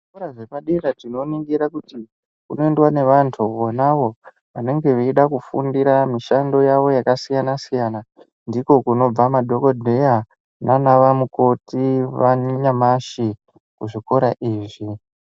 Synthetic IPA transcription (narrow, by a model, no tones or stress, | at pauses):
ʐikoɾaʐepaɗiratino̞niŋɡiɾakuti | kuno̞endwane̞ʋantʰuʋonaʋo̞ | ʋane̞ŋɡe̞ʋeiɗakufṵndiɾamiʃando̞jaʋo̞jakasijanasijana | ndiko̞kuno̞b͡vamadʱo̞kodʱeja | nanaʋamuko̞tiʋaɲamaʃi | kuʐiko̞ɾaʔiːʐi